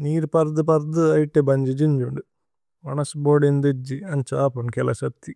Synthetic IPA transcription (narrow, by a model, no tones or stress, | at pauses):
niːɾpɐɾd̪ɨpɐɾd̪ɨɐjʈːebɐɲd͡ʒid͡ʒiɲd͡ʒuɳɖɨ | ʋɐnɐsboːɖind̪ed͡ʒiɐnt͡ʃaːpuɳkɛlɐʃɐt̪ːi